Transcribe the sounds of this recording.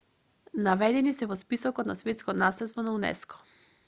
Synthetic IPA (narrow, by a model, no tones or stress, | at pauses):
navɛd̪ɛnisɛvɔspisɔkɔt̪nasvɛt̪skɔnaslɛt̪st̪vɔnaunɛ̰skɔ̥